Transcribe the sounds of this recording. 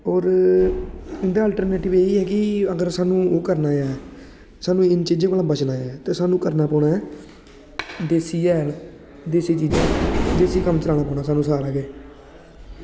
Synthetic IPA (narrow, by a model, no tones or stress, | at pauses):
ɔːɾ | ɪnd̪aːəlʈəɾneːʈɪʋeːiːɦɛːkɪəɡəɾsaːnũːoːkəɾnaːjɛː | saːnũːɪnt͡ʃiːd͡ʒãːkəlãːbət͡ʃnaːɛːt̪eːsaːnũːkəɾnaːpɔːɳãː | d̪eːsiːd͡ʒɛːl | d̪eːsiːt͡ʃiːd͡ʒãːd̪eːsiːkəmt͡ʃəlaːñaːpɔːnãːsaːnũːsaːɾaːɡeː